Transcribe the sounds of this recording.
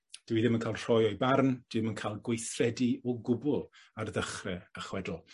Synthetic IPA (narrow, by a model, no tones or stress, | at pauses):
d̥wiðɪmənkʰaːlˠr̥ɔjɔjbarnd̥ɪmənkʰajlˠɡwejθrɛdiɔɡʊbʊlˠ | arðəχrɛəχwɛdʊlˠ